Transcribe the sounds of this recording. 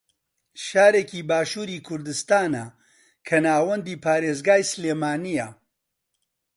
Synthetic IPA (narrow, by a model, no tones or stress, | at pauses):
ʃaːɾeːkiːbaːʃuːɾiːkʰʊɾd̪ɨst̪aːnɐ | kʰɐnaːwɐnd̪iːpʰaːɾeːzɡaːjsleːmaːnijɐ